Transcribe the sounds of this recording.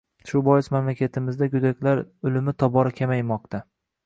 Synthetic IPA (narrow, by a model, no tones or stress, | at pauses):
ʃʊbɒjɪsmamlakʲat̪ʰɪmɪzd̪aɡʊd̪akʲlaɾʊlɪmɪt̪ʰɒbɒɾakʲʰamajmɒq̚t̪ʰa